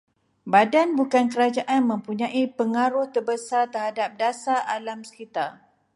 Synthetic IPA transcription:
badanbukankəɾad͡ʒaʔanmə̃mpuɲãʔipəŋaɾʊht̪ərbəsart̪ərhadap̚dasaʔalamsə̥kit̪ar

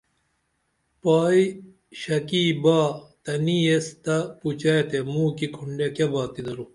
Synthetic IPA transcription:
paːi | ɕɐkiːbaːt̪ɐniest̪ɐput͡ɕajt̪emuːkikʰuɳɖekebaːt̪id̪ɐɾu

